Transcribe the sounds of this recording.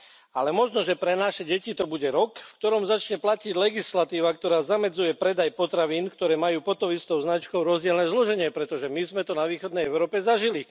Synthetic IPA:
alɛmɔʒnɔʒɛpɾɛnaʃɛɟɛcit̪ɔbuɟɛɾɔkfkt̪ɔɾɔmzat͡ʃɲɛplaciɟlɛɡislat̪iːʋak̚t̪ɔɾaːzamɛd͡zujɛpɾɛd̪ajpɔt̪ɾaʋiːnkt̪ɔɾɛːmajuːpɔt̪ɔmist̪ɔʊznat͡ʃkɔʊɾɔzɟɪɛlnɛːzlɔʒɛɲɪɛpɾɛt̪ɔʒɛmizmɛt̪ɔnaʋiːxɔd̪nɛjɛʊɾɔːpɛzaʒili

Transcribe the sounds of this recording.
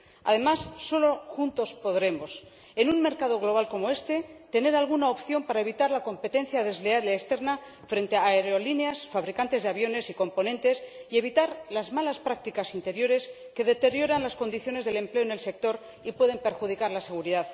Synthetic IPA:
a̰ðe̞masːo̞lo̞xunt̪o̞spo̞ðɾe̞mo̞s | e̞nunme̞ɾkað̞o̞ɣ̞lo̞βalko̞mo̞e̞st̪e̞t̪e̞ne̞ɾalɣ̞unaopθjo̞mpaɾae̞βit̪aɾlako̞mpe̞t̪e̞nθjaðe̞zleaɾeest̪e̞ɾna | fɾe̞nt̪eaeɾo̞lineasfaβɾikant̪e̞zðeaβjo̞ne̞siko̞mpo̞nẽ̞nt̪e̞sie̞β̞it̪aɾlazmalaspɾak̚t̪ikasint̪e̞ɾjo̞ɾe̞s | ke̞ðe̞t̪e̞ɾjo̞ɾanlasko̞nd̪iθjo̞nezðe̞le̞mple̞one̞lse̞k̚t̪o̞ɾ | ipwe̞ðe̞mpe̞ɾxuð̞ikaɾlase̞ɣ̞uɾiðað

